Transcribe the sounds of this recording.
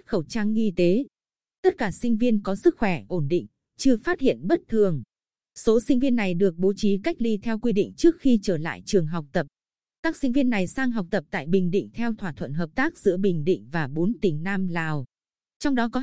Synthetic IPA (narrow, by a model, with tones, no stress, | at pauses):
xə˧˩wt͡ɕaː˧ŋʔi˧t̪e˨˦ | t̪ə˦˥t̚kaː˧˩sï˧ŋ̟vi˧ənkɔ˨˦sɨ˦˥k̚xwɛ˧˩ʔo˧˩nɗḭ˧˨ŋ̟ | t͡ɕɨ˧faː˦˥t̚hḭ˧˨ənɓə˦˥t̚t̪ʰɨ˨˩əŋ | so˨˦sï˧ŋ̟vi˧ənːa˨˩jɗɨ˨˩ək̚ɓo˨˦t͡ɕi˨˦ka˦˥jk̚li˧t̪ʰɛ˧wkwi˧ɗḭ˧˨ŋ̟t͡ɕɨ˦˥ək̚xi˧t͡ɕəː˧˩la̰ː˧˨jt͡ɕɨ˨˩əŋɦa˨˩wk͡p̚t̪ə˨˩p̚ | t̪aː˦˥k̚sï˧ŋ̟vi˧ənːa˨˩jsaː˧ŋɦa˨˩wk͡p̚t̪ə˨˩p̚t̪a̰ː˧˨jɓï˨˩ŋ̟ɗḭ̈˧˨ŋ̟t̪ʰɛ˧wt̪ʰwaː˧˩t̪ʰwə˧˨nɦəː˨˩p̚t̪aː˦˥k̚z̥ɨ̰˧˥əɓï˨˩ŋ̟ɗḭ̈˧˨ŋ̟vaː˨˩ɓo˨˦nt̪ï˨˩ŋ̟naː˧mlaː˨˩w | t͡ɕɔ˧wŋ͡mɗɔ˨˦kɔ˨˦